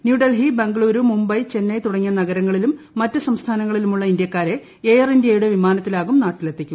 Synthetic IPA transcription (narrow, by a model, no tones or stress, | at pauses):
njuːɖɐlɦibɐŋɡɭuːɾumumbɐjt͡ɕe̞nːɐjt̪uɽɐŋːɐnɐɣɐɾɐŋːɐɭilumːɐtːɨsɐmst̪ʰaːnɐŋːɐɭilumuɭːɐind̪jɐkːaːɾe̞ | eːjɐrindjɐjuɽe̞ʋimaːnɐt̪ːilaːɣumnaːʈːilet̪ːikʲːum